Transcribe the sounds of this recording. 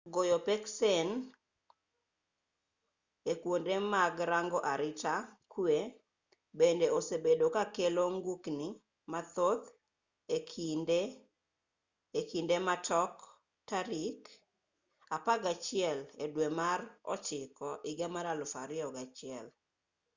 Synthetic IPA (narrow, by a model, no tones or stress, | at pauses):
ɡojopeksɛn | ekwondemaɡɾaŋɡɔʔaɾɪtakwe | bendeosebedokakeloŋɡukni | mat̪ot̪ | ekʰinde | ekindematʰɔk | taɾik | apaɡat͡ʃɪɛledwemarɔ̰t͡ʃɪkɔʔɪɡamaɾalʊfaɾɪɔɡat͡ʃɪɛl